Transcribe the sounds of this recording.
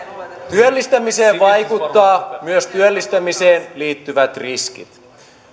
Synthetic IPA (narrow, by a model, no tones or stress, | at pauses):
t̪yølːist̪æmise̞ːʋʋɑjkut̪ːɑːmyøst̪yølːist̪æmise̞ːnliːt̪ːyʋæt̪riskḭt̪